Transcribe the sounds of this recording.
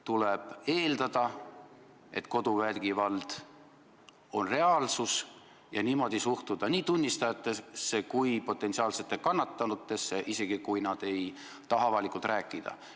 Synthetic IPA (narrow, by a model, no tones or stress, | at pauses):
t̪uleb̥e̞ːld̪̥ɑd̪̥ɑ | e̞t̪ko̞d̪̥uvælɡ̥ivɑld̪̥ | o̞nre̞ɑlsus | jɑniːmo̞d̪isuht̪ud̪̥ɑnʲiːt̪unʲːist̪ɑjɑt̪ːˑesːekujpo̞t̪ːˑe̞nt̪siɑːlse̞t̪ːˑekɑnːɑt̪ːˑɑnut̪ːˑe̞sːe̞ʔise̞ɡ̥ikujnɑd̪̥e̞j | t̪ɑɦɑvɑlikːˑult̪ɾæːkːˑid̪̥ɑ̰